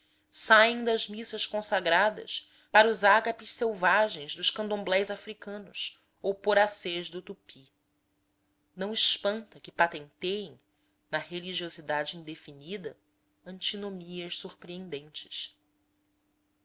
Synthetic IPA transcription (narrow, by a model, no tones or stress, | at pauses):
sajẽj̃d̪ɐʒmisɐʃkõsaɡɾad̪ɐ̰ʃ | paɾɐuzaɡapɪʃsewvaʒẽj̃zd̪ʊʃkɐ̃nd̪õmblɛjzafɾikɐ̃nʊs | owpoɾaseʒd̪ʊt̪upʰi | nɐ̃w̃ɪʃpɐ̃nt̪ɐkɪpat̪ẽnt̪ejẽj̃ | nɐheliʒiozid̪ad͡ʒɪĩnd̪efinid̪ɐ | ɐ̃nt͡ʃinomiɐʃsuχpɾiẽnd̪ẽnt͡ʃɪ̥ʃ